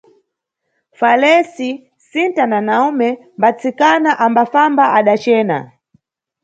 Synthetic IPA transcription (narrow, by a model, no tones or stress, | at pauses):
falɛsi | sintananaumɛmbat͡sikanaʔambafambaʔaɗat͡ʃɛːna̰